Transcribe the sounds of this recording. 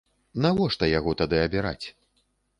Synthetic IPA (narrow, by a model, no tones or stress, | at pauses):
navɔʂt̪ɐjaɣɔt̪ad̪ɨɐbʲiɾa̰t͡sʲ